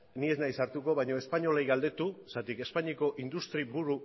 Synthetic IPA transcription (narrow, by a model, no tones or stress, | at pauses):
nie̞znajsaɾt̪uko̞βajɲo̞e̞spaɲo̞lajɣald̪e̞t̪usat̪ike̞spaɲiko̞ʔind̪ust̪ɾibuɾu